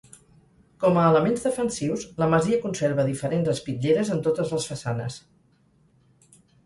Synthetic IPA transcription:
kɔməːləmenzðəfənsiwsləməziəkunseɾβəðifəɾenzəspiʎeɾəzənt̪ot̪əzləsfəsanəs

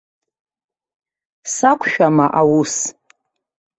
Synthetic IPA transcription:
sakʷʰʼʃᶣamaʔawus

